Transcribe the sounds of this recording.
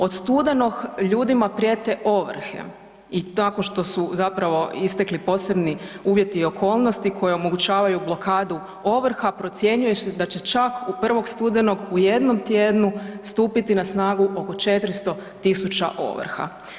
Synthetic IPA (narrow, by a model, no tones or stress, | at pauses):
o̞t̪st̪ud̪eno̞ɡʎuːd̪imapɾjet̪e̞ʔo̞ʋr̩xḛ | inakonʃt̪o̞suzapɾaʋo̞ist̪e̞klipo̞se̞bniuːʋje̞t̪iːo̞kʰo̞ːlˠnost̪ikʰo̞jeo̞mo̞ɡut͡ɕaːʋajublˠo̞kaːd̪u | o̞ʋr̩xapɾo̞t̪sʲje̞ɲujesed̪at͡ɕet͡ʃakupr̩ʋo̞ɡst̪ud̪eno̞ɡuje̞d̪no̞mt̪jeːd̪nust̪uːpit̪inasnaːɡuʔo̞ko̞t͡ʃe̞t̪ɾist̪o̞t̪isut͡ʃa̰ʔo̞̰ʋ̰r̩xa̰